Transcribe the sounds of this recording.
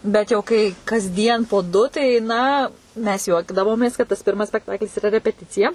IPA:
ˈbʲɛt jɛʊ kɐɪ kɐzʲˈdʲiɛn poː ˈdʊ tɐɪ ˈnɐ mʲɛs ˈjuɔɡdɐʋoːmʲeːs kɐt tɐs ˈpʲɪrmɐs sʲpʲɛkˈtɑːklʲɪs ɪˈrɐ rʲɛpʲɛˈtʲɪt͡sʲɪjɛ

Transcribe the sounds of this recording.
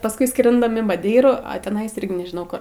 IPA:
pɐsˈkʊɪ ˈskrʲɪndɐm ɪn mɐˈdʲɛɪruː ɐ tʲɪˈnɐɪs ˈɪrʲɡʲɪ nʲɛʒʲɪˈnɐʊ kʊr

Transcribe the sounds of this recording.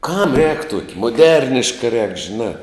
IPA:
kɐm rʲɛːk ˈtuɔkʲɪ mʊˈdʲɛrʲnʲɪʃkɐ rʲɛːk ʒʲɪˈnɑː

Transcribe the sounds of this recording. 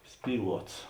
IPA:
ˈsʲpʲiːˌlˠuɔts

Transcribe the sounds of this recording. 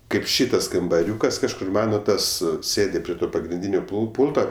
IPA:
ˈkɐɪp ˈʃʲiːtɐs kɐmbɐˈrʲuːkɐs kɐʃˈkʊr ˈmɑːnoː ˈtɐs ˈsʲeːdʲɪ pʲrʲiɛ ˈtoː pɐɡrʲɪnʲˈdʲiːnʲoː pʊlˠ ˈpuːlˠtoː

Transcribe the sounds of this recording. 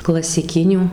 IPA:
klˠɐsʲɪˈkʲɪnʲuː

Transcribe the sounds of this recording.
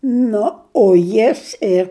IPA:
ˈnʊ oː ˈjɪs ɪr

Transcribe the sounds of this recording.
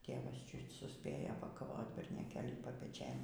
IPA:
ˈtʲeːʋɐs ˈt͡ʃʲʊt sʊˈsʲpʲeːjoː pɐkɐˈʋoːt bʲɛrʲnʲoːˈkʲeːlʲiː pɐpʲɛˈt͡ʃʲeːn

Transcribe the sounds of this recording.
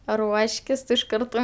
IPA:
ˈruɔʃʲkʲɪs tʊ ɪʃ ˈkɐrtoː

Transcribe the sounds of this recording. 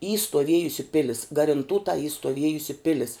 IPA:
iː stuɔˈʋʲiɛjʊsʲɪ ˈpʲɪlʲɪs ɡɐrʲɪnˈtuːtɐ iː stoːˈʋʲiɛjʊsʲɪ ˈpʲɪlʲɪs

